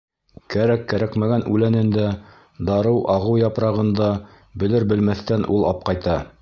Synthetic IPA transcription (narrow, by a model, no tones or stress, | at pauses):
kæɾækːæɾækmæɡænʉlænɘ̆nd̪æ | d̪ɑɾɤwʔɑʁɤwjɑpɾɑʁɤ̆nd̪ɑ | bɵ̆lɘɾbɘ̆lmæθt̪ænʔulˠɑp̚qɑjt̪ɑ